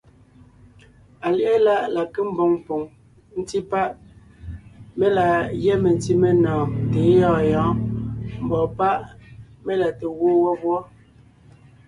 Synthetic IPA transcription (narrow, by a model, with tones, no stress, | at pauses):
a˨li˨ʔe˦la˦˨ʔla˨ke˦m̩˦bo˨ŋpo˨ŋ | n̩˦ti˦pa˦ʔ | me˦la˨jɛ˦me˨n˦ti˦me˦nɔ̃ː˨te˨˦jɔː˦˨jɔ̃ː˨˦m̩˨bɔ˨pa˦ʔ | me˦la˨te˨ɣwo˦wɔ˦bwɔ˦